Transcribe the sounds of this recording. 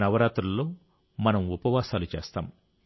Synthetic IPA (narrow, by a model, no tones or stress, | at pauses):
nɐʋɐɾaːt̪ɾɐlːo̞ː | mɐnɐmupɐʋaːsaːlut͡ʃḛːst̪a̰ːm